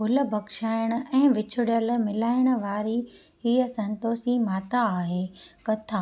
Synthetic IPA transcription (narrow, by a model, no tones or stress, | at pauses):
ɦʊlə̆bʱɐɡʃaːɪɽ̃ʊ̆ɛ̃ːʋɪt͡ɕʰʊɽjəl̆mɪlaːɪɽ̃ə̆ʋaːɾi | ɦiːəsɐ̃nt̪oːsimaːt̪aːɦeːkɐt̪ʰaː